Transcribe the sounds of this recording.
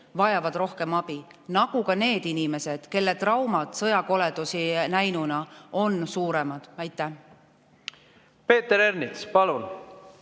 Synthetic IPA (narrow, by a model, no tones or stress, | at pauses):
vɑjɑvɑd̪̥ro̞hke̞mɑb̥inɑɡ̥ukɑne̞ːd̪inime̞sed̪̥ke̞lːe̞t̪rɑwmɑd̪̥sɤjɑko̞le̞d̪usinæjnunɑo̞nsuːɾe̞mɑd̪̥æjt̪ˑːæh | pe̞ːt̪ːeɾernit̪spɑlun